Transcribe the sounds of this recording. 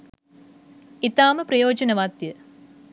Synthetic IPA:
it̪aːmɐprɐjoːd͡ʒɐnɐʋaːt̪jɐ

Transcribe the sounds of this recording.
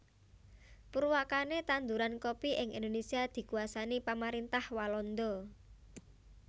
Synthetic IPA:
puɾwakanet̪and̪uɾankopiʔɪŋḭnd̪onesiad̪̥i̤kuasanipamaɾint̪ahwalɔnd̪ɔ

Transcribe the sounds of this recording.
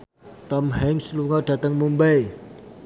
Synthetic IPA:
t̪ɔmhɛŋsluŋɔɖ̥ä̤t̪əŋmumbaj

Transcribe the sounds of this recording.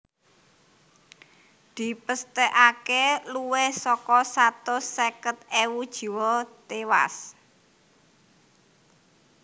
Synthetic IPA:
d̪̥i̤pəst̪ɛʔakeluwehsɔkɔsat̪osekət̪̚ewud̥ʒ̥i̤wɔt̪ewa̰s

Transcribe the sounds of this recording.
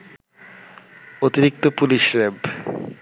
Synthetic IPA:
ot̪iɾik̚t̪opuliʃɾeb

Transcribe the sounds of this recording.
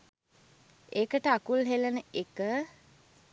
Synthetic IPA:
ekəʈəakulɦelənəekə

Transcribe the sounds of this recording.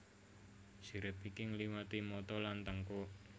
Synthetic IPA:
d͡ʒ̥i̤ɾɪpikiŋliwat̪imɔt̪ɔlant̪əŋko

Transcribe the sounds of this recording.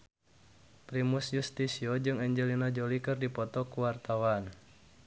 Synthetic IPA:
pɾimusjust̪isiɔd͡ʒɨŋɛɲd͡ʒɛlinad͡ʒolikɨrdipɔt̪ɔkuwart̪awan

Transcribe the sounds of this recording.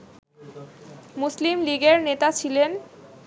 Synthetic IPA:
muslimliɡeɾnet̪at͡ɕʰilen

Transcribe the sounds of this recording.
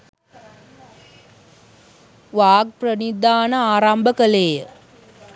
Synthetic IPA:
ʋaːɡ̚prənid̪aːnəaːɾambəkəlejə

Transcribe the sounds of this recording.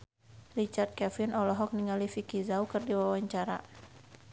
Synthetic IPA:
rit͡ʃart̪̚kɛfinʔɔlɔɦɔk̚niŋalifikizaukɨrdiwawaɲt͡ʃaɾa̰

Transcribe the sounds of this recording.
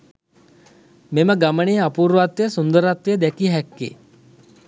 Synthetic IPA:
meməɡaməɳejapuːɾʋat̪ʋejəsund̪əɾat̪ʋejəd̪ɛkiɦɛkːḛ

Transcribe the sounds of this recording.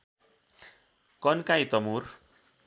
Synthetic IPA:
kʌnkãjt̪ʌmur

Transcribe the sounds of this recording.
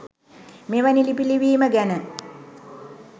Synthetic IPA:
meʋanilipiliʋiːməɡænə

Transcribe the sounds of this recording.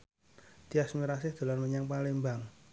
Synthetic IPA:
d̪̥iasmiɾasɪhd̪̥o̤larməɲaŋpalɪmbaŋ

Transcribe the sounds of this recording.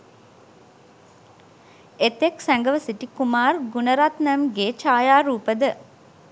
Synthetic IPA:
et̪eksæŋɡəʋəsiʈikumaːrɡunəɾat̪nəmɡeːt͡ʃaːjaːɾuːpəd̪ə

